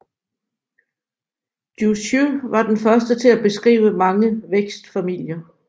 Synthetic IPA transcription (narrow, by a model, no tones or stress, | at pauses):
d̥jusuʋɑ̈d̥enfɶɐsd̥ət͡sʰe̝æb̥e̝sɡ̥ʁḭːʊəmɑ̈ŋəʋeɡ̥sd̥fæmil̰jɐ